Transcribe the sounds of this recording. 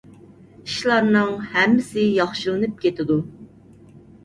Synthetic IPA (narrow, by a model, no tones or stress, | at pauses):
iʃlˠɑɾnɨŋhɛmːɪsɪjɑχʃɨlˠɨnɨp̚kʲet̪ɪd̪u